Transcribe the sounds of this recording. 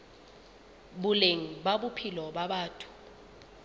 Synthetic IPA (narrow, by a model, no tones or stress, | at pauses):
ɓuleŋ̩ɓaɓupʰilɔɓaɓaːtʰu̥